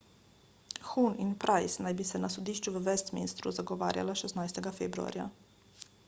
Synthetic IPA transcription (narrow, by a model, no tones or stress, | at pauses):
xuninpɾʔajsnajbisɛnasud̪iːʃt͡ʃuʋəʋɛst̪mḭnst̪ɾṵzaɡoʋa̰ːɾja̰laʃesnaːjst̪eɡafebɾua̰ɾja̰